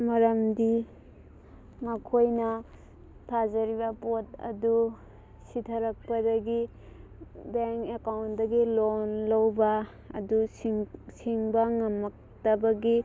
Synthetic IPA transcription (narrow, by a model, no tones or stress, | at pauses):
mɐɾɐmdi | mɐkʰojnɐ | tʰazɐɾibɐpot̚ɐ̰du | sitʰɐɾɐk̚pɐdɐɡi | beŋkekawntdɐɡilonlɐwbɐ̰ː | du | siŋbɐŋɐmɐk̚ | tɐbɐɡi